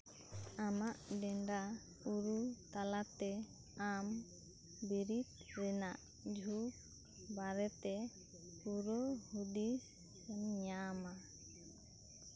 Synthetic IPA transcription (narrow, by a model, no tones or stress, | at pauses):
amaʔɖɛɳɖa | uɾut̪alat̪ɛ | am | biɾit̪̚ɾɛnaʔ | d͡ʒʱuk̚ | baɾɛt̪ɛ | puɾɔhud̪is | ɛnɲama